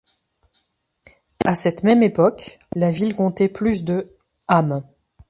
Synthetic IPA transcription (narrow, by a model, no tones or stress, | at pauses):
asɛt̪mɛmepɔk | lavilkɔ̃t̪ɛplys̬d̪ə | am